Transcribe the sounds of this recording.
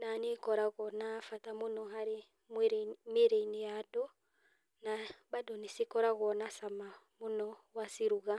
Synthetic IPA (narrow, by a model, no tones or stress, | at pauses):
nanekɔɾaɣɔnafatamonɔɦaɾe | mɾmeɾeinejadɔ | nabadonesikɔɾaɣɔnasama | monɔwasiɾuɣa